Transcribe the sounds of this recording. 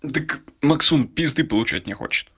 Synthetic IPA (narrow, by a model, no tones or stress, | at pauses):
d̪ɨkmɐksunpʲizd̪ɨpɔlˠʊt͡ʃa̰tʲnʲɛxɔ̰t͡ʃɪ̥t̪